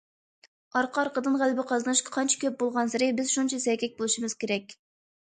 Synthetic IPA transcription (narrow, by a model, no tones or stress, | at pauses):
ɑɾqʰɑɾqəd̪ɨnʁælbɪqʰɑznɨʃɑ̥qʰɑnt͡ʃʰɛ̥kʲʰøp̚bolˠʁɑnsɪɾɪbɪzʃunt͡ʃʰɛsɛkʲɛk̚ʲbolˠuʃimɨzkʲeɾɛkʲ